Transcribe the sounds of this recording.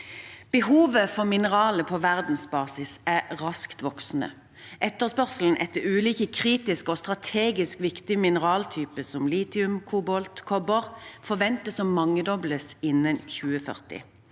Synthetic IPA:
b̥əɦuːʋəfɔʁmɪnəʁɑːləpʰoːʋæʁd̪n̩sbɑːsɪsæʁɑskt̪ʋɔksnə̰ | ʔɛt̪ːəʁspœʁsl̩n̩ʔɛt̪ːəʉːliːkəkʰʁiːt̪ɪskoːst̪ʁɑt̪ʰeːɡɪskʋɪkt̪ɪmɪnəʁɑːlt̪ʰyːpəsɔmliːt̪ɪʉmkʰuːbɔlt̪kʰɔbəʁfɔʁʋɛnt̪əsɔmːɑŋːəd̪ɔbləsɪnːənçʉːəfœ̰ʁt̪ɪ̰

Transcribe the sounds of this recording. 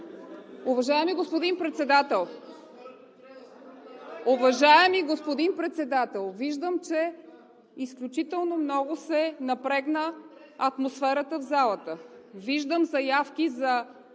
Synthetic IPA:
ʊvɐʒaɛmiɡospod̪inpɾɛt̪sɛd̪at̪ɛlˠ | ʊvɐʒaɛmiɡospod̪inpɾɛt̪sɛd̪at̪ɛlˠviʒd̪əmt͡ʃɛ | isklʲut͡ʃit̪ɛlˠnomnɔɡʊsɛnɐpɾɛɡnə | ɐt̪mosfɛɾət̪əvzalˠət̪əviʒd̪əmzɐjafkizɐ

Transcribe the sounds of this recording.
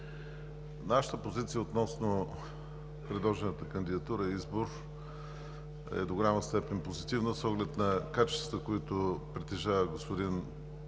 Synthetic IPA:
naʃə̥t̪əpozit̪siəot̪nɔsno | pɾɛd̪lˠɔʒɛnət̪əkənd̪id̪ɐt̪uɾəizboɾ | ɛ̰d̪oɡʊlʲaməst̪ɛpɛnpozit̪ivnəsɔɡlɛt̪nɐkat͡ʃɛ̥st̪vɐt̪əkoit̪ʊpɾɛt̪ɛʒavəɡospod̪in

